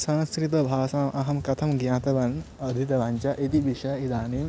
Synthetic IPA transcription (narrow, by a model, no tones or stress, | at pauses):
sɐnɐskɾit̪ɐbʱaːsaːmʔɐɦɐmkɐt̪ʰɐmɡjãːt̪ɐʋɐn | ɐd̪ʱit̪ɐʋãːɲt͡ʃaʔit̪iʋiʃɐjid̪aːniːm